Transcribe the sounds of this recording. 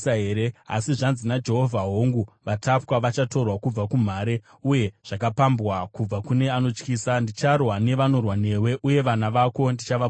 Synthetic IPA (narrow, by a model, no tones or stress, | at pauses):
aɦeɾea̰siʐanzinad͡ʒe̞ɦo̞vʱaɦo̞ŋɡuʋatapkaʋat͡ʃato̞rwakub͡vakum̤aːɾe̞ | uje̞ʐ̥akapambwakub͡vakune̞ano̞t͡ʃkiːsandit͡ʃarwane̞ʋano̞rwane̞we̞ʔuje̞ʋanaʋako̞ndit͡ʃaʋa